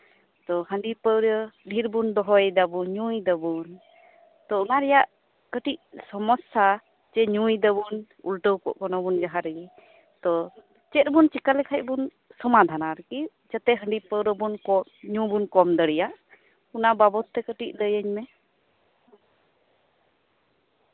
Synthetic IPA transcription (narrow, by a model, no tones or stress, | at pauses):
t̪ɔhəɳɖipəwɾəɖʱiɾbund̪ɔɦɔjɛd̪abunɲujd̪əbun | t̪ɔunaɾɛjaʔ | kəʈiʔ̚sɔmɔsa | t͡ʃɛɲujd̪əbun | ṵlʈəwkɔ̰ʔkɔnɔbund͡ʒaɦaɾɛi | t̪ɔ | t͡ʃɛt̪̚bunt͡ʃikalɛkʰac̚bun | sɔmad̪ʱanaɾki | d͡ʒət̪ɛɦəɳɖipəwɾəbunkɔɲũbunkɔmd̪əɽijaʔ | unababɔt̪ːɛkəʈic̚d̪əjəɲmɛ